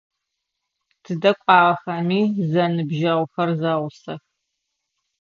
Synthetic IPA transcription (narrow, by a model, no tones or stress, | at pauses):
tʰɨdɐkʷʼɑːʁɐxɐmiːzɐnɨbʒɐʁʷʊxɐrzɐʁʷʊsɐx